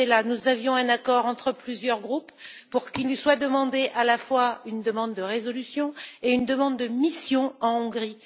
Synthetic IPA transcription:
ɛlanuzavjɔ̃ɛ̃nakɔʁɑ̃t̪χəplyzjœʁɡʁupː | uʁkilniswad̪əmɑ̃d̪eʔalafwaynd̪əmɑ̃d̪ːəʁezɔlysjɔ̃eynd̪əmɑ̃d̪ːəmisjɔ̃ɑ̃ɔ̃ɡʁi

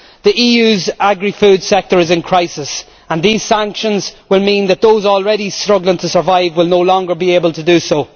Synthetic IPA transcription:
ðiʔiːjʉːzaɡɹifʉːd̥sɛk̚tə˞ɪzɪ̃nkʰɹ̥aɪsɪs | ə̃nðiːz̥sãŋkʃə̃nzwɪlˠmĩnðət̪̚ðoʊzɔlˠɹɛɾistɹ̥ʊɡlɪ̃ŋtʰəsə˞vaɪvwɪlˠnoʊlɔ̃ŋɡə˞bieɪbəlˠtʰədəsoʊ

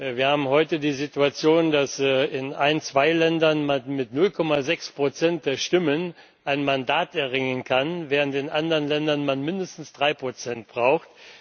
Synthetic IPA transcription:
viːɐhaːbm̩hɔʏtədiːzituat͡sjoːndasɪnʔa̰ɪənt͡sv̥aɪlɛndɐnmanmɪtnʊlkʰɔmazɛkspʁ̥ot͡sɛnt̚d̥eːɐʃtɪmən | ʔaɪnmandaːtɛɐʁɪŋənkʰanvɛːʁ̞əntɪnʔandəʁənlɛndɐnmanmɪndəstn̩sd̥ʁaɪpʁ̥ot͡sɛnt̚b̥ʁaʊxt

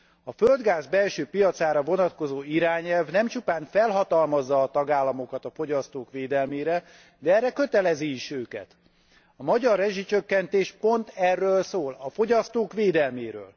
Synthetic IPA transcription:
ɒføld̪ɡaːzbɛlʃøːpijɒt̪saːɾɒvo̞nɒt̪ko̞zoːiɾaːɲɛlvnɛmt͡ʃupaːɱfɛlɦɒt̪ɒlmɒzːɒːt̪ɒɡaːlːɒmo̞kɒt̪ɒfo̞ɟɒst̪oːkʋeːd̪ɛlmeːɾɛ | d̪ɛɛrːɛkøt̪ɛlɛziːʃøːkɛ̰t̪ | ɒmɒɟɒrːɛʒit͡ʃøkːɛnt̪eːʃpo̞nt̪ɛrːøːlsoːlɒfo̞ɟɒst̪oːkʋeːd̪ɛlmeːɾø̰ːl

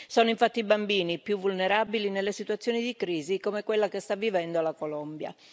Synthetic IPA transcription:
sɔːnoiɱfat̪ːibambiːnipjuvːulneɾabilinelːesit̪wat̪sːjoːnid̪ikɾiːzikomekwelːakest̪avːivɛnd̪olakolɔmbja̰

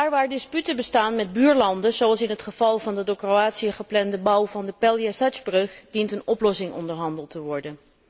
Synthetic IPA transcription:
daːɹʋaːɹdɪspytəbəstaːnmɛd̚byːɹlɑndəzoɑlˠsɪnɦətχəv̥ɑlˠvɑndədoːkroaːtsiəχəplɛndəbʌwvɑndəpɛlˠjasazbrɵχd̥intənɔplɔsɪŋɔ̰ndəɹɦɑndəlˠtəʋɔɹdən

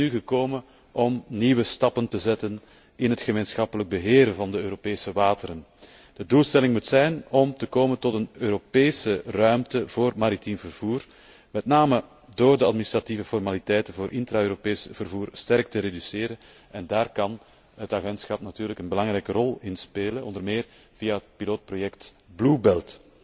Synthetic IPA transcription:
nyɣəkoːmən | ʔɔmniːwəstɑpəntəzɛtən | ɪnɦətxəmeːnsxɑpələɡ̚bəɦeːɾəvɑndəøːɾopeːsəʋaːtəɾən | d̥əduːlˠstɛlɪŋmutsɛjnɔmtəkoːməntɔtənøːɾopeːsərœɥmtəv̥oːrmaɾitimvərv̥uːr | mɛtnaːmə | doːrdəɑtminist̪ɾativəfɔrmalitɛjtənvoːɾʔɪntɾaøːɾopeːsv̥ərvuːrstɛrk̚təɾedyseːɾən | ɛndaːrkɑn | ɦətaɣɛntsxɑpnatyːrləkənbəlɑŋɾɛjkərɔlˠɪnspeːlənɔndərmeːr | v̥ijaɦət̚piloːt̚projɛkt | blubɛlˠt

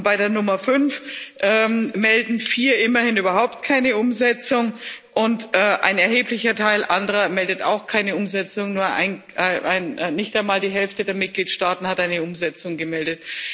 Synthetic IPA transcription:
b̥aɪdeːɐnʊmɐfʏnfʔɛːmmɛldn̩fiːɐʔɪmɐhɪnyːbɐɦaʊp̚t̚kʰaɪnəʔʊmzɛt͡sʊŋʔʊntʔɛːʔa̰ɪnɛɐɦheːplɪçɐtʰaɪlʔandəʁɐmɛldəta̰ʊxkʰaɪnəʊmzɛt͡sʊŋnuːɐa̰ɪn | aɪʔaɪnːɪçtaɪnmaːldiːɦɛlftədeːɐmɪt̚ɡ̥liːtʃtaːtn̩hatʔaɪnəʊmzɛt͡sʊŋɡəmɛldət

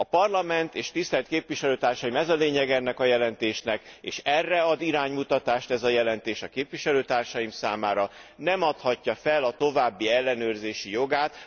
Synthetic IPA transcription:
ɒpɒrlɒmɛnt̪eːʃt̪ist̪ɛlt̪keːpʋiʃɛløːt̪aːrʃɒjimɛzɒleːɲɛɡɛnːɛkɒjɛlɛnt̪eːʃnɛkḛːʃɛrːɛɒd̪iɾaːɲmut̪ɒt̪aːʃt̪ɛzɒjɛlɛnt̪eːʃɒkeːpvʋiʃɛløːt̪aːrʃɒjimsaːmaːɾɒnɛmɒt̪hɒcːɒfɛlɒt̪o̞vaːbːiɛlːɛnøːrzeːʃijo̞ɡaːt̪

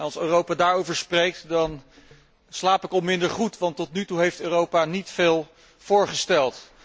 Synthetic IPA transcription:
nɑlˠsøːrowpaːdaːɹowvəɹsprejk̚tdɑn | slaːpɪkɑlˠmɪndəɹχutʋɑntɔtnytuɦejftøːrowpanitfeːlˠ | v̥ʊːɹχəstɛlˠt

